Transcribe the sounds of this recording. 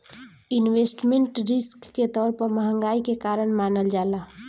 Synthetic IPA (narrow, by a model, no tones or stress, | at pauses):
ɪnweːsʈmẽɳʈɾɪskːet̪ɔːɾpəɾməɦə̃ŋɡaːikekaːɾəɽ̃maːnəld͡ʒaːlaː